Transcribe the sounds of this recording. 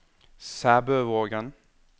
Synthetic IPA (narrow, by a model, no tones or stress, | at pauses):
sæbøːvoːɡən